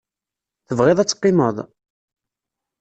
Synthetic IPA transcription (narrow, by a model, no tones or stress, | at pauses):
θəvʁeðˤæt͡sːqːɪməðˤ